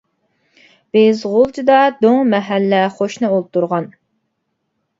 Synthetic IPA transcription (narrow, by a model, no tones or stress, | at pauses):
b̥ezʁolˠt͡ʃʰɨd̪ɑd̪oŋmɛɦælːɛχoʃnɨolˠt̪ːuɾʁɑn